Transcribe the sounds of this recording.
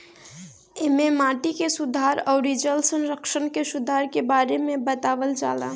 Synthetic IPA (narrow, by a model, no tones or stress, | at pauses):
ememaːʈikesʊd̪ʱaɾɔːɾid͡ʒəlsənɾəkʃənkesʊd̪ʱaɾkebaːɾemẽbət̪aːʋəld͡ʒa̰ːla̰